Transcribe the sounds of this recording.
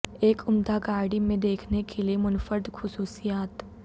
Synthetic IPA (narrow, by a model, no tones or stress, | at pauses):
eːkʊmd̪aɡaːɾɖimẽd̪eːkʰnekʰeliemʊnfəɾd̪xʊsuːsijaːt̪